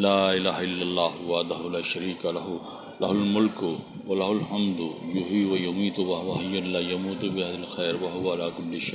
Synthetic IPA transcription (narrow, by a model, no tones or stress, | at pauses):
laːɪlaːɦaɪlːɐlˤːaːɦʊwaːd̪aɦʊlaːʃɐɾiːkalɐɦʊ | lɐɦʊlmʊlkʊ | wɐlaɦʊlhɐmd̪ʊjʊɦiːwɐjʊmiːt̪ʊwɐɦʊwaɦɐjːʊlːaːjɐmuːt̪ʊbɪɦad̪ɐlxɛːɾwɐɦʊwaalaːkʊlːɪʃa